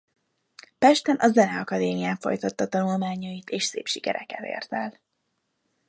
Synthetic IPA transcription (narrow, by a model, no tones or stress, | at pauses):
pɛʃt̪ɛnʔɒzɛnɛɒkɒd̪eːmijaːɱfo̞̰jt̪ɒt̪ːɒt̪ɒnulmaːɲɒjit̪eːʃsḛːpʃikɛ̰ɾɛ̰kɛt̪ḛːrt̪ɛl